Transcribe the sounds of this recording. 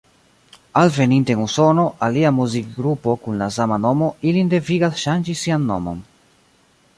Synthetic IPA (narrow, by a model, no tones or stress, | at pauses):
alve̞ninteenuso̞no̞ʔaliamuzik̚ɡɾupo̞kunlas̬amano̞mo̞ilinde̞viɡasʃand͡ʒisianːo̰mo̞̰n